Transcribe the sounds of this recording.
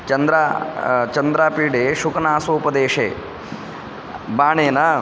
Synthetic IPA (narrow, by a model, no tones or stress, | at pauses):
t͡ʃɐnd̪ɾaːt͡ʃɐnd̪ɾaːpiːɖeːʃukɐnaːsoːpɐd̪eːʂḛː | baːɳeːnɐ